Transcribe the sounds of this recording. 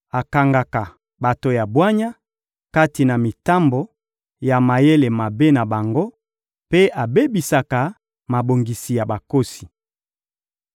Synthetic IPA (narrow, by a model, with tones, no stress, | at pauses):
a˨ka˨ŋɡa˨ka˨ | ba˨to˨ja˨bwa˦ɲa˦ | ka˦ti˨na˨mi˨ta˦mbo˨ | ja˨ma˨je˦le˨ma˨be˦na˨ba˨ŋɡo˦ | pe˦ʔa˨be˦bi˨sa˨ka˨ | ma˨bo˨ŋɡi˨si˨ja˨ba˨ko˦si̥˨